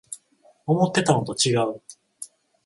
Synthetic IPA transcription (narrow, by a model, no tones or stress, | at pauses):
omo̞t̪ːe̞t̪anot̪o̞t͡ɕiɡaɯ̟